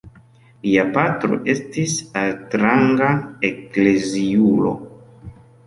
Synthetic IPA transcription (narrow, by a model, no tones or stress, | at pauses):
liapatɾo̞̰ʔe̞stisatɾaŋɡaekle̞ziulo̞̰